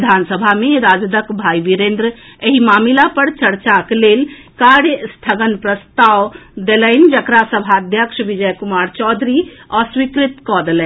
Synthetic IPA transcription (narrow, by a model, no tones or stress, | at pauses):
d̪ʱansəbʱameɾad͡ʒd̪əkbʱajʋiɾend̪ɾəeɦimamilapəɾt͡ʃəɾt͡ʃaklel | kaɾjəst̪ʰəɡənpɾəst̪awd̪eləɪn̆d͡ʒəkɾasəbʱaəd̪ʱjəkʃʋid͡ʒəjkumaɾt͡ʃɔd̪ʱɾiəswikɾit̪kɔd̪elɛ